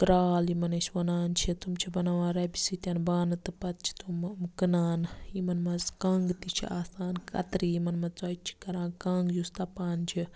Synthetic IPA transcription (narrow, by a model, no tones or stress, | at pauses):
kɾaːlimɐnɐsʲʋɐnaːnt͡ʃʰit̪umt͡ʃʰibɐnaʋãːɾɐbisit̪ʲɐnbaːnɨt̪ɨpɐt̪̚t͡ʃʰi̥t̪ummkɨnaːnimɐnmɐzkɐ̃ːŋɡt̪it͡ʃʰḭʔaːsaːnkʰɐ̰t̪ɾiimɐnmɐt͡soːit͡ʃʰi̥kɐɾãːnkaːŋɡjust̪ɐpaːnt͡ʃʰi